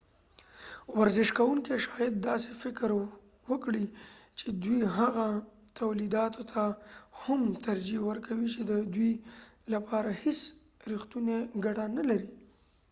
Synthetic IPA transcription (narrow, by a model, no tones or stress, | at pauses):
waɾzɪʃkawuŋkeʃɑjad̪ːɑse̥fɪkɾ | wəkɽit͡ʃed̪wiɦaɣat̪ʰawlid̪ɑt̪ʰot̪ʰahamt̪aɾd͡ʒiwəɾkʰawit͡ʃed̪əd̪wilapʰɑɾahɪs | ɾixt̪uneɡaʈanalaɾi